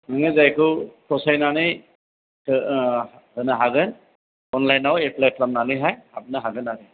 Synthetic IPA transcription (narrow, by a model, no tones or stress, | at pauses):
mɯŋɯzajkʰɯkʰɔsajnanɯj | hɯnɯɦaɡɯn | ɔnlajnaweplatʰlamnanɯɦajhab̚naɦaɡɯnaɾɯ